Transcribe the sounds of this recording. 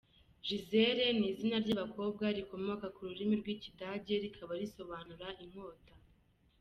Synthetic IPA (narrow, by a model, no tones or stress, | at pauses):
ʒizeɾe̞niːzinaɾɟaβako̞ːb̚ɡaɾiko̞mo̞kakuɾuɾimiɾɡwiːcidaɟe̞ɾikʰaβaɾiso̞βaːnuɾaʔim̥ho̞ːta